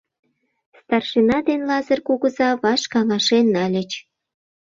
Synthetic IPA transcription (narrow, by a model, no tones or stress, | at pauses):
st̪ɑrʃinɑd̪enlɑzərkuɣəzɑβɑʃkɑŋɑʃenːɑlʲə̆t͡ɕ